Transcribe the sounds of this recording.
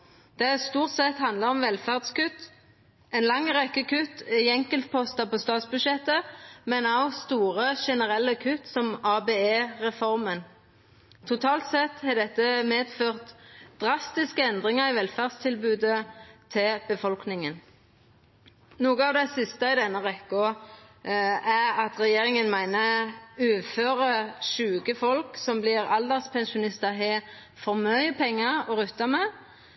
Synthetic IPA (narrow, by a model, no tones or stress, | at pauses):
d̪̥ɛæst̪uːʁt̪sɛt̪hɑnd̪ləʁɔmʋɛlfæʁd̪skʉt̪ː | ɛnlɑŋːʁɛkːəkʉt̪ɪɛŋkəlt̪̚pʰɔst̪ɑpost̪ɑːt̪sbʉdʃɛt̪ːəmɛnɑʋst̪uːʁəʃɛnəʁɛlːəkʰʉt̪sɔmɑːbeːeːʁɛfɔʁmən | t̪ʰʊt̪ʰɑːlt̪sɛt̪ːhɑd̪ɛt̪ːəmeːd̪føːʁt̪d̪̥ʁɑst̪ɪskəɛnd̪ʁɪŋəʁɪʋɛlfæʁd̪st̪ʰɪlbʉːd̪ət̪ʰɪb̥əfɔlknɪŋən | nuːɡəɑːʋd̪ɛɪsɪst̪əɪd̪ɛnːəʋɛkːʊ | æʁɑt̪ʁɛjeːʁɪŋənmæɪnəʉːføːɾəʃʉːɡəfɔlksɔmblɪʁɑld̪ɛʁspʰɛnʃʊnɪst̪əɦeː | fɔʁmœʏəpʰɛŋːəʁɔʁʉt̪ːɑmɛ